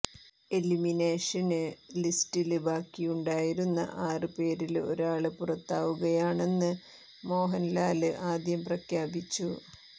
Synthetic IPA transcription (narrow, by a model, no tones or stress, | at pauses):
elimine̞ːʂɐnɨlistilbaːkːijuɳɖaːjiɾunːɐ̰ʔaːrɨpe̞ːɾilo̞̰ɾaːɭɨpurɐt̪ːaːʋuɣɐjaːɳe̞nːɨ | mo̞ːɦɐnlaːlɨʔaːd̪ʱjɐmprɐkʰjaːbit͡ɕːu